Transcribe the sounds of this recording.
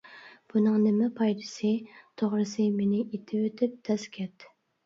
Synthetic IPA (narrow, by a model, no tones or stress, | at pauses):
b̥unɨŋnɪmɛpʰɑjd̪ɨ̥sɨt̪ʰoʁɾɨsɨmenɪit̪ʰɪwøt̪ʰɪp̚d̪̥ʰɛskʲʰɛt̪